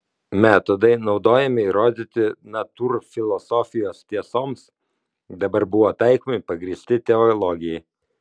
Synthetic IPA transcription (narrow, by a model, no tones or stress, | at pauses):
mʲæːt̪od̪ɐɪnɒʊd̪oːjɛmʲɪɾoːd̪ʲɪt̪ʲɪnɐt̪uːɾfʲɪlˠɔsofʲɪjoːst̪ʲiɛsoːms | d̪ɐbɐɾbʊʋoːt̪ɐɪkomʲɪpɐɡɾʲiːsʲt̪ʲɪt̪ʲɛɔlˠoːɡʲɪjɛɪ